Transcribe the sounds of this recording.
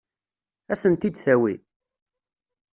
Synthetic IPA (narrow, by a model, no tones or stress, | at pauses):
æsənt̪id̪θæwi